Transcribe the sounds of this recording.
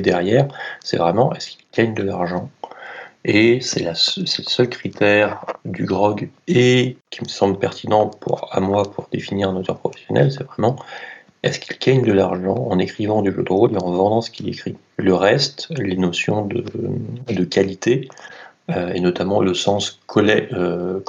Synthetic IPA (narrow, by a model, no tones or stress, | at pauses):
d̪ɛʁjɛːʁsɛ̰vʁɛmɑ̃ʔɛskilɡ̥aɲd̪əlaʁʒɑ̃ | esɛlassɛləsœlkχit̪ɛʁd̪yɡʁɔɡekʲʰiməsɑ̃bləpɛʁt̪ʰinɑ̃pʰṵʁa̰mwapʰuʁd̪efiniʁɛ̃not̪œʁpχɔfɛ̥sjɔnʔɛ̰lsɛvʁɛmɑ̃ | ɛ̰skilɡaɲd̪əlaʁʒɑ̃ɑ̃nekχivɑ̃d̪yʒø̰d̪ʁoleɑ̃vɑ̃d̪ɑ̃sə̥kʲilḛkχi | ləʁɛst̪lenɔsjɔ̰̃d̪əd̪əkalit̪e | øenɔt̪amɑ̃ləsɑ̃skʰɔlɛø